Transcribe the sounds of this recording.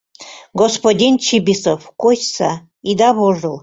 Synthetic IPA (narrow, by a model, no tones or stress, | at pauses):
ɡospodʲint͡ɕʰibʲisofkot͡ɕsa | id̪ɑβoʐɨlˠ